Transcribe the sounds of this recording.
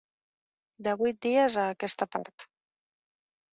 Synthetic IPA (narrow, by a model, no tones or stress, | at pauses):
d̪əβujt̪̚d̪iəzəːkɛst̪əpa̰ɾt̪